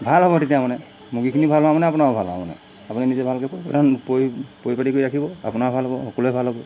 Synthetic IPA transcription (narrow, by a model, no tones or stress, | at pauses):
bʱalɦɔbɔtetiamanɛ | muɡikʰinibʱalɦɔwamanɛapunaɹɔbʱa̰lɦɔ̰a̰ma̰nɛ̰ | apuninizɛbʱalkɛpojpa̰lɛpojpojpatikoiɹakʰibɔa̰punaɹɔbʱalɦɔbɔxɔkɔlɛbʱalɦɔbɔ